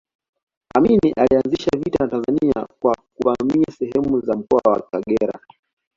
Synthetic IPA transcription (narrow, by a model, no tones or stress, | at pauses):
aminiʔalianziʃavitanatanzaniakwakuvamiasɛɦɛmuzam̩kɔa̰wa̰kaɠɛɾa̰